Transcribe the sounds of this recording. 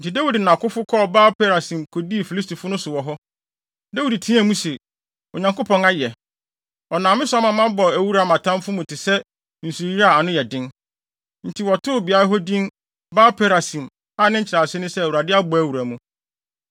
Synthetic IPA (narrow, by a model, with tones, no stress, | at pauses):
n̩˨tʰɪ˨da˦wi˨dnã˨kʊ˦fʊ˦kʰɔ˦˨baː˦pʰe˦ɾa˨sĩ˨mkʰo˨di˦˨fi˨li˦stʰi˨fʊ˦nʊ̃˦sʊ˨wɔ˨ɦɔ˦ | da˦wi˨dtʰĩ˦æ˨mũ˦se˨ | ɔ˨ɲã˨ŋkʊ˦pʰɔ̃˨na˦jɛ˨ | ɔ˨nãː˨mɪ̃˦sʊ˦a˦mã˨mã˦bɔ˨æ˨wu˦ɾa˨mã˨tʰã˦m˦fʊ˦mũ˨tʰɪ˨sɛ˦ | n̩˨su˨i˦a˦˨a˨nʊ̃˦jɛ˨dɪ̃˦n | n̩˨tʰi˨wɔ˨tʰʊ˦ʊ˨bi˨a˦ɾa˦ɦɔ˦dĩ˦n | baː˦pʰe˦ɾa˨sĩ˨m | a˦nɪ̃˦ɲ̩˦t͡ɕʰɪ˨ɾa˨sɪ˦nʊ̃˦sɛ˦˨wu˨ɾa˨dɪ˦a˦bɔ˨æ˨wu˨ɾæ˨mũ˦